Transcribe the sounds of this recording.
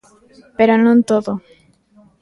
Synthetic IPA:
peɾonõnt̪oðo

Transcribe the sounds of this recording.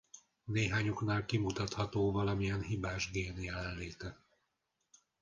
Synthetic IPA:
neːɦaːɲoknaːlkimut̪ɒt̪hɒt̪oːvɒlɒmijɛnɦibaːʒɡeːnjɛlɛnleːt̪ɛ

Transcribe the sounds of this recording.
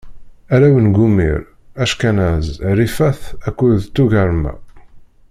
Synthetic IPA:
æɾæwənɡumḭɾ | æʃkænæzɾifæθækːuðt̪ːuʝəɾˤmæ̰

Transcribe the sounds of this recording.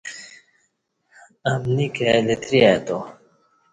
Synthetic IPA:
ɐmnikelet̪ʰɾiat̪o

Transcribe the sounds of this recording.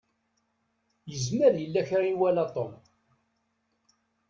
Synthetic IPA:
jəzməɾjəlːæçɾiwælat̪ˤom

